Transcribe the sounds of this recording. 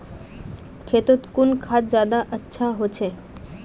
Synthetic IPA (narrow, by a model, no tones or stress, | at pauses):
kʰeːt̪ot̪kunkʰat̪̚d͡ʒjaːd̪aʔətːʃʰaɦot͡ʃʰe